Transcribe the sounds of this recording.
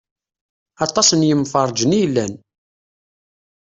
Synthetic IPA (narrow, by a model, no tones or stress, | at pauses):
ɑt̪ˤːɑsənjəmfɑɾˤd͡ʒənijlːæn